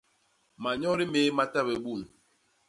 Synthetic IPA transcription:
ma˨ɲɔ˦ɾi˦me˨˦ma˦ta˦be˨ɓu˦˨n

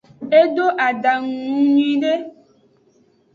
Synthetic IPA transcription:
e˦do˦ʔa˨ɖa˨ŋ̃ũ˨ɲĩ˨ɖe˦

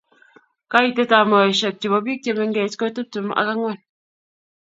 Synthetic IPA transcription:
ka˦i˦˨te˦ta˨mɔ˨e˨ʃe˨k̚t͡ʃi˨bɔ˨bi˦k̚te˨me˨ŋ˦ɡe˨tko˦tɨ˦p̚tu˨ma̰˦ka˦ŋɔ˦˨n

